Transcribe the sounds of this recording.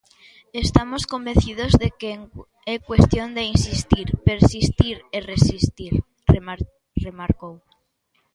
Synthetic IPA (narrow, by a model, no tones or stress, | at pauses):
est̪amoskombenθið̞ozðekeŋ | ekwe̞st̪jond̪einsist̪iɾpeɾsist̪iɾeresist̪iɾ | re | remaɾkow